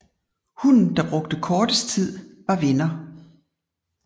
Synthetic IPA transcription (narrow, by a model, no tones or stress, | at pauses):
hun̩d̥ɑ̈b̥ʁɔ̽ɡ̥̚d̥əkʰɒːd̥əst͡sʰið̞̰ˠʋɑ̈ʋe̝nɐ